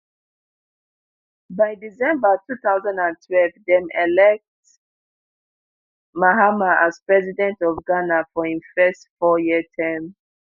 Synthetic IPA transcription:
baɪdizɛ̃mbatʰuθaʊzãndãntʰwɛlvdɛ̃mɛlɛk̚t | maɦamaʔazpɹɛzidɛ̃ntɔvɡanafɔĩmfɛstfɔjitʰɛ̃m

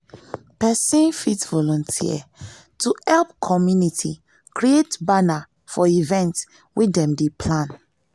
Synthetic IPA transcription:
pɛsĩnfitvɔlɔ̃ntʰḭə̰ | tuhɛlp̚kʰɔmjunitʰi | kɹietbana | fɔivɛ̃nts | widɛ̃mdepʰlãn

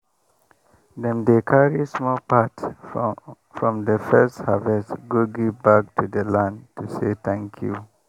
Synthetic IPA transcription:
dɛ̃mdekʰaɹismɔlpat | fɹɔ̃mdəfɛsthavɛstɡuɡibak̚tʰudəlãntuset̪ɛ̃ŋkʰjṵ

